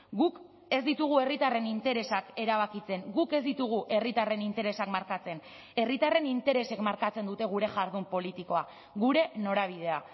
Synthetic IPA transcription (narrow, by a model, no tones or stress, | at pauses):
ɡuk | e̞zd̪it̪uɣ̞ue̞rit̪are̞nint̪e̞ɾe̞sake̞ɾaβ̞akit͡se̞ŋɡuke̞zd̪it̪uɣ̞uʔe̞rit̪are̞nint̪e̞ɾe̞sakmaɾkat͡se̞n | e̞rit̪are̞nint̪e̞ɾe̞se̞kmaɾkat͡se̞nd̪ut̪e̞ɣ̞uɾe̞ʝaɾð̞umpo̞lit̪iko̞a | ɣuɾe̞no̞ɾaβ̞ið̞e̞a